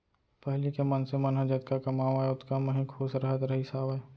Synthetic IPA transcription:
pɛɦlikemənsemənɦə̃d͡ʒət̪̚kakɐmaːʋaeʊt̪kaməɦĩkʰoːsɾəɦət̪ɾɐɦisaːʋa

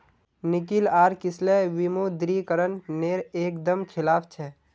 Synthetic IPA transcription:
nɪkilaːɾkɪsleʋimod̪ɾikəɾənːeːɾeːkd̪əmkʰɪlaːpʰt͡ʃʰɛ

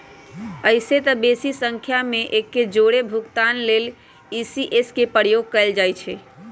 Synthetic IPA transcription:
əɪset̪əbesisə̃ŋkʰjameʔekːed͡ʒoɽebʱukt̪anlel | isiʔeskepəɾjoɡ̚kəeld͡ʒajt͡ʃʰɛ

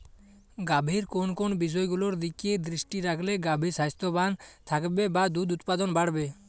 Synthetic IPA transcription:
ɡabʱiɾkonkonbiʃ̬ɔeɡuloɾd̪ikied̪ɾiʃʈiɾakʰleɡabʱiɾsajst̪obant̪ʰakbebad̪ud̪ut̪pad̪onbaɽbe

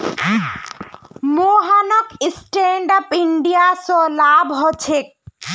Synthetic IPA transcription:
moɦanɔkisʈeɳɖapiɳɖijasɔlaːbɦɔt͡ʃʰek̚

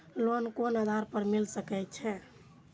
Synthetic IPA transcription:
lonkonəd̪ʱaɾpəɾmilsəkɛjt̪̚t͡ʃʰɛ

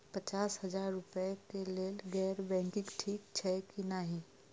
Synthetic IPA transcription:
pət͡ʃaːsɦɐd͡ʒaːɾːʊpekeleːlɡɛːɾbɛ̃ːŋkɪ̃ŋɡʈʰiːkt͡ʃʰɛːkinaɦĩ

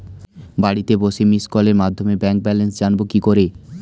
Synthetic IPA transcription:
baɽit̪eboʃemiskɔleɾmad̪ʱːomebɛŋk̚bɛlensd͡ʑanbokikoɾe

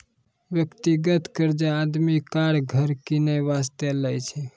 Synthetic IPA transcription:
ʋjəkt̪iɡət̪kəɾd͡ʒead̪mikaɾɡʱəɾkinebast̪eləjt͡ʃʰɛ

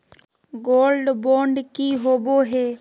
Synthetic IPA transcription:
ɡoːlɖboːɳɖkiːɦoːboːɦeː

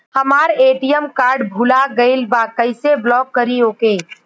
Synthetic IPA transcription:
həmaːɾeːʈijəmkaːɾɖbʱulaɡəɪlbakəɪseblɔːkːəɾiɦoːkeː

